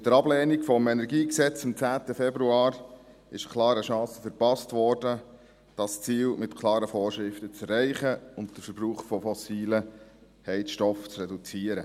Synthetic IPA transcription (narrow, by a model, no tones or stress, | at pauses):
ɪd̥̪əɾɑblɛːnikfɔmɛnɛɾɡiːksɛt͡sɪmt͡sæːt̪əfɛbɾuɑːɾ | ɪʃəkʰlɑːɾəʃɑ̃ːsəfəɾpɑstʋɔːɾdə | d̥ɑst͡siːlmɪtkʰlɑːɾəfɔːɾʃɾɪftət͡sɛrːɛɪχəʊnt̚d̥əɾfəɾb̥ruːχfɔfɔsiːlə | hɛɪtʃtɔft͡srɛdut͡siəɾə